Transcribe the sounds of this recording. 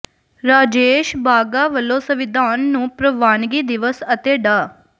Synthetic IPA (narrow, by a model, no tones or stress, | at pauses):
ɾaːd͡ʒeːʃbaːɡaːʋəlːõːsəʋɪd̪ʱaːnːũːpɾəʋaːnɡiːd̪ɪʋəsət̪eːɖaː